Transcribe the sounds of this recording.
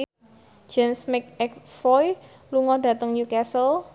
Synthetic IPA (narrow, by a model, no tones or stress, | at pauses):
d͡ʒ̥ɛnsmɪk̚ɛk̚fɔj | luŋɔd̥ä̤t̪əŋjukɛsəl